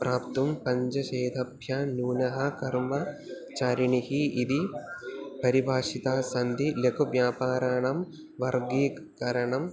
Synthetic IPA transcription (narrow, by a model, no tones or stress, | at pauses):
pɾʔaːpt̪umpɐɲd͡ʒɐʃeːd̪ʱɐbʱjaːnuːnɐɦɐkɐɾmɐ | t͡ʃaːɾiɳihiːd̪i | pɐɾibʱaːʂit̪aːsɐnd̪ilekʰuʋjaːpaːɾaɳɐm | ʋɐɾɡiː | kɐɾɐɳɐm